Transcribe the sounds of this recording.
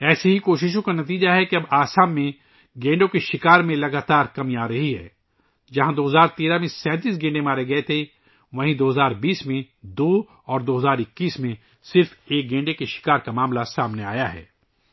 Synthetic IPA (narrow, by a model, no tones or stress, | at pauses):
ɛːseɦikoːʃɪʃ̬õkanɐt̪̬iːd͡ʒaɦɛkiɐbaːsaːmːẽ | ɡẽːɳɖõkeʃɪkaːɾmẽlɐɡaːt̪aːɾkɐmiaːɾɐɦiɦɛ̰ː | d͡ʒɐɦãd̪oːɦɐzaːɾt̪eːɾamẽsɛ̃ːt̪iːs̬ɡẽːɳɖemaːɾeɡɐet̪ʰe | ʋɐɦĩd̪oːɦɐzaːɾbiːsmẽ | d̪oː | ɔːɾd̪oːɦɐzaːɾɪkːiːsmẽ | sɪɾfeːk̚ɡẽːɳɖekeʃɪ̥kaːɾkamaːmlasaːmnea̰ːjaɦɛ̰ː